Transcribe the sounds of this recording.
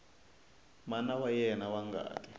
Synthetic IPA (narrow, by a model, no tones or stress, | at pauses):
manawajɛnawaŋɡa̰ːkʼɛ